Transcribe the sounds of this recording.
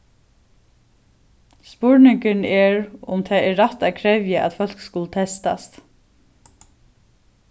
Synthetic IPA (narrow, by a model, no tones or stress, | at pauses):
spʊɹnɪŋkɪnɛɹʊ̰mt̪ʰɛːɛːat̪æðkʰɹɛvjɪʔa̰t̪fœl̥kskʊlət̪ʰɛst̪a̰st̪